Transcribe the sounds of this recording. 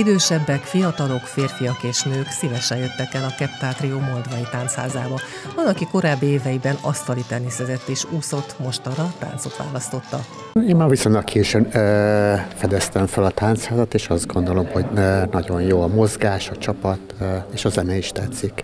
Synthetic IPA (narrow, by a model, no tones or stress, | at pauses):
id̪øːʃɛbːɛkfijɒt̪ɒlo̞kfeːrfijɒkeːʃnøːksiːvɛʃɛjøt̪ːɛkɛlɒkɛpt̪aːt̪rioːmold̪vɒjit̪aːnt̪sha̰ːzaːbɒ | vɒnɒkiko̞ɾaːbːieːvɛjibɛnɒst̪ɒlit̪ɛnːisɛzɛt̪ːeːʃuːso̞t̪mo̞ʃt̪ɒrɒt̪a̰ːnt̪so̞t̪ʋa̰ːlɒst̪o̞t̪ːɒ | eːmmavisoɲlɒkːʰiʃɛn | fɛd̪ɛst̪ɛɱfølɒt̪aːnt̪shaːzɒt̪eːʃɒzd̪̚ɡo̞nd̪o̞lo̞mho̞ɟnɒɟo̞njoːɒmo̞zɡaːʃɒt͡ʃɒpɒt̪eːʃɒzɛnɛiʃt̪ɛt̪sːik